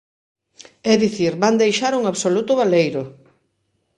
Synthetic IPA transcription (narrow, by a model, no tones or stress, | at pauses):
ɛðiθiɾband̪ejʃaɾuŋaβsolut̪ʊβalejɾʊ